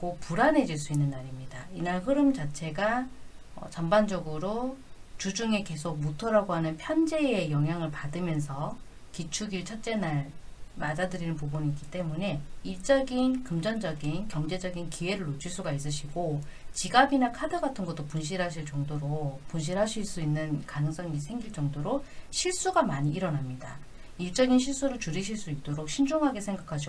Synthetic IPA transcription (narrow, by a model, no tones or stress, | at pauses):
ɡopuɾanɦe̞d͡ʑiɭs͈uinːɯnːaɾimɲidainaɭɦɯɾɯmd͡ʑat͡ɕʰe̞ɡa | ʌ̰t͡ɕʌmband͡ʑʌɡɯɾot͡ɕud͡ʑuŋe̞ke̞sʰok̚mutʰʌɾaɡoɦanɯnpʰjʌnd͡ʑe̞ejʌŋɦjaŋɯɭpadɯmjʌns̬ʰʌ | kit͡ɕʰuɡiɭt͡ɕʰʌt͡ɕ͈e̞naɭ | madadɯɾinɯnpobuniːk͈it͈e̞mune̞iɭt͡ɕ͈ʌɡinkɯmd͡ʑʌnd͡ʑʌɡinkjʌŋd͡ʑe̞d͡ʑʌɡinkiwe̞ɾɯɭːot͡ɕʰiɭs͈uɡais͈ɯɕʰiɡo | t͡ɕiɡaɡinakʰadɯɡatʰɯnɡʌt͈opunɕ̬ʰiɾɦaɕ̬ʰiɭt͡ɕʌŋdoɾopunɕ̬ʰiɾɦaɕʰiɭs͈uinːɯnkanɯŋs͈ʌŋisʰe̞ŋɡiɭt͡ɕ͈ʌŋdoɾoɕʰiɭs͈uɡamaɲiːɾʌnamɲida | iɭt͡ɕ͈ʌɡinɕʰiɭs͈uɾɯɭt͡ɕuɾiɕʰiɭs͈uit̚t͈oɾok̚ɕʰind͡ʑoŋɦaɡe̞sʰeŋɡakʰaɕ̬ʰi